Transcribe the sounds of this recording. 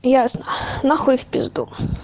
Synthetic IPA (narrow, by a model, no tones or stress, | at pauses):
jasnənaxufʲpʲɪzd̪ṵ